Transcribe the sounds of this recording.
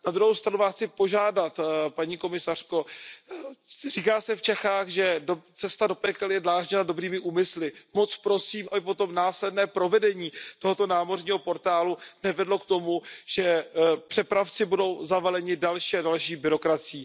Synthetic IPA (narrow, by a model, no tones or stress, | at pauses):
nad̪ɾuɦowst̪ɾanuvaːsxt͡sɪpo̞ʒaːdat̪paɲiːko̞mɪsar̝̥ko̞ | riːkaːsɛft͡ʃɛxaːxʒɛdot͡sɛst̪ado̞pɛkɛljɛdlaːʒɲɛnado̞bɾiːmɪʔuːmɪslɪmo̞t͡spɾo̞siːmʔabɪp̬o̞t̪o̞mnaːslɛdnɛːpɾo̞vɛdɛɲiːt̪oɦot̪o̞naːmo̞rɲiːɦo̞po̞ɾt̪aːlunɛvɛdlo̞kt̪o̞muʒ̥ɛpr̥ɛpɾaft͡sɪbudo̞wzavalɛɲɪdalʃiːadalʃiːbɪɾo̞kɾat͡sɪjiː